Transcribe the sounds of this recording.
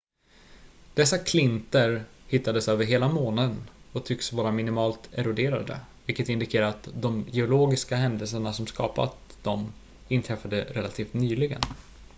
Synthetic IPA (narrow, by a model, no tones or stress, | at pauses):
d̪̥ɛsːakʰlɪnt̪əɾ | hɪt̪ːad̪əsøːvəɾɦeːlamoːnad̪ənɔt̪ʰʏksvɑːɾamɪnɪmɑːlt̪ɛɾʊd̪eːɾa̰d̪ə̰vɪlkːət̪ɪnd̪ɪkʰeːɾaɾat̪d̪ɔmjɛʊloːɡɪskaɦɛnd̪əlsəɳasɔmskɑ̰ːpa̰t̪d̪ɔm | ɪnt̪ʰɾɛfːad̪əɾɛla̰t̪ʰiːft̪nyːlɪɡə̰n